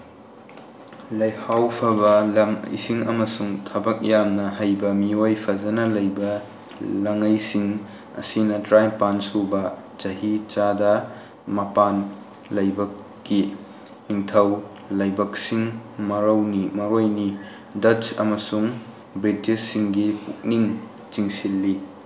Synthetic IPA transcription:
lɐjhawpʰɐbɐlɐmisiŋɐmɐsuŋtʰɐbɐk̚jamnɐhɐjbɐmiojpʰɐd͡ʒɐnɐlɐjbɐ | lɐŋɐjsiŋ | ɐ̰sinɐtɾajmpansubɐ | t͡ʃɐɦit͡ʃadɐ | mɐpan | lɐjbɐkː | i | niŋtʰɐw | lɐjbɐk̚siŋmɐɾɐwnimɐɾojni | dɐt͡ʃɐ̰mɐsuŋ | bɾitisːiŋɡipuk̚niŋ | t͡ʃiŋsilːi

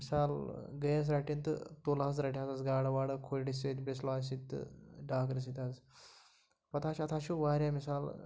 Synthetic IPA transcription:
misaːlɡəjas̬ɾaʈint̪ɨ̰t̪olas̬ɾaʈʲiazazɡaːɽɐʋaːɽɐkʰojɽiset̪besloaːs̬it̪ːɨ̰ɖaːkɾis̬it̪az | pɐt̪ʰaːʃɐt̪ʰaʃuʋaːɾʲjamisaːl

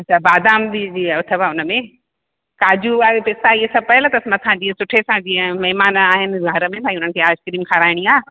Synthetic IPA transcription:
ɐt͡ɕʰabaːd̪aːmd̪id͡ʑiːʊt̪ʰebaʊnəmẽ | kaːd͡ʑuaːepɪst̪aiɦesɐb̚pɐɦɪlt̪ɐsmɐt̪ʰãd͡ʑiːə̃sʊʈʰesãd͡ʑiːə̃mɐɦmaːnaːɦɪnɪ̆ɡʱɐɾəmẽbʱãːĩʊn̤ənɪkʰeːaːskɾiːmkʰaːɾaːɪɽ̃iaː

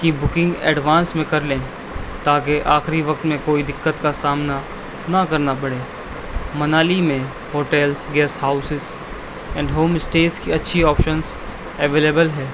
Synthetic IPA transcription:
kibʊkɪ̃ŋɡɛ̰ːɖʋãːnsmẽkɐɾlẽː | t̪aːk̬eʔaːxɪɾiʋɐk̚t̪mẽkoːid̪ɪkːət̪kasaːmna | nɐkɐɾnapɐɽẽː | mɐnaːlimẽ | hoːʈɛːlsɡɛːsɦaːʊsɪz | ɛ̃ːɳɖɦoːmɪsʈeːskiɐtːʃʰiɔːpʃəns | ɛʋeːleːbəlɦɛː

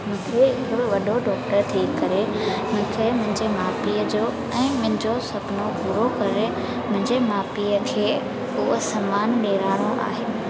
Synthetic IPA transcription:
mʊ̃kʰieɪkʰoʋɐɗoɖɔːk̚ʈəɾt̪ʰikɐɾe | mʊ̃ɦɪ̃kʰemʊ̃ɦɪ̃ɲd͡ʑemaːpiəd͡ʑoː | ɛ̃ːmʊ̃ɦɪ̃ɲd͡ʑosɐpnopuːɾokɐɾe | mʊ̃ɦɪ̃ɲd͡ʑemaːpijəkʰeː | ʊɦəsɐmaːnɗeːɾaːɽ̃oʔa̰ːɦeː

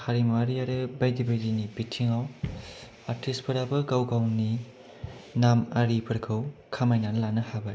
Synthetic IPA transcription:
haɾimwaɾiaɾɯbajdibajdinibitʰiŋaw | aɾtʰispʰɐɾabɐɡawɡawni | namaɾipʰɐɾkʰɯwkʰamajnanlanɐhabaj

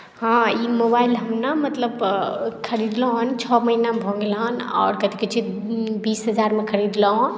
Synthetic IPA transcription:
ɦãimobailɦəmnamət̪ləbkʰəɾid̪lɔɦnt͡ʃʰɔməɦinabʱɔ̃ŋɡelɦənɔ̰ːɾkət̪ikət͡ʃʰit̪ | bisɦəd͡ʒaɾmekʰəɾid̪lɔɦn

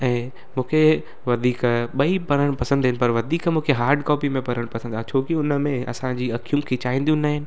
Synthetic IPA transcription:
ɛ̃ː | mũːkʰe | ʋɐd̪ʱiːkɓɐipɐɽ̃əɽ̃pɐsə̃nd̪ɦɪnɪpɐɾʋɐd̪ʱiːkmũːkʰeɦaːɾɖkɔːpimẽpɐɾəɽ̃pɐsənd̪aːɦt͡ɕʰoːkɪʊnəmẽɐ̰sãd͡ʑiːɐkijũkʰet͡ɕaːĩnd̪ijũnaːɦɪnɪ̆

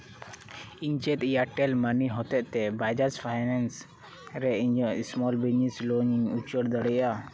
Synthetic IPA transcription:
iɲt͡ʃɛt̪jaʈɛlməniɦɔt̪ɛʔt̪ɛbajd͡ʒaspʰajnɛns | ɾɛiɲd͡ʒɔsmɔlbinisloniŋupt͡ʃəɽd̪əɽɛja

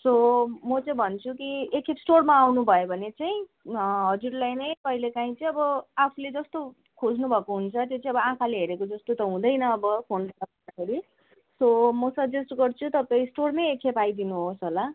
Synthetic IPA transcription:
somʌt͡sʌĩbʱʌnt͡sʰukiekʰepsʈormaːwnubʱʌjobʱʌnet͡saĩɦʌd͡zuɾlajnʌjpʌilekaĩt͡sʌĩʌbʌapʰuled͡zʌst̪o | kʰod͡znubʱʌkoɦunt͡sʰʌt̪jot͡sʌĩʌbʌãkʰaleɦeɾekod͡zʌst̪ot̪ʌɦũd̪ʌjnʌːbʌpʰonʌsʌad̪akeɾi | somʌsʌbd͡zesʈɡʌrt͡sʰut̪ʌpaĩsʈornʌjekʰepajd̪inuɦosɦola

